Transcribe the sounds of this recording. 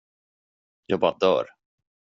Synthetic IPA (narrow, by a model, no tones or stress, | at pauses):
jɑːɡ̚bɑːɾad̪œ̰ːɾ